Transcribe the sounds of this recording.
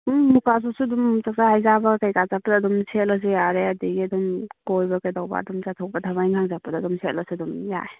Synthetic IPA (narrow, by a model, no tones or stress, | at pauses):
ukas̬usudumt͡ʃak̚tahajzabɐkajkazapːɐdɐːdumsʰetlɐs̬ijaɾeɐdiɡiɐdumkojbɐkajdawba̰ɐ̰dumt͡ʃatʰɔk̚bɐtʰabajŋʰaŋzapːɐdɐːdumsʰetlɐsidumja̰e